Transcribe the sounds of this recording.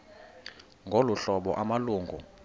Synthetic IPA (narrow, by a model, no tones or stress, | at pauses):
ŋɡʱoluɬɔɓɔ̰ʔamaluːŋɡʱu